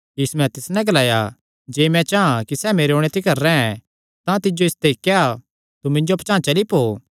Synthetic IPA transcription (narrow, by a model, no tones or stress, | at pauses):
jiːsumɛ̃t̪ɪsnɛ̃ɡɐlaːja | d͡ʒeːmɛ̃t͡ʃaãkisɛːmeːɾeoːɽ̃et̪ʰikɐɾːɛɛ̃ | t̪ãt̪ɪd͡ʒoɪst̪ekːea | t̪umɪ̃ɲd͡ʒopt͡ʃãːt͡ʃɐlipoː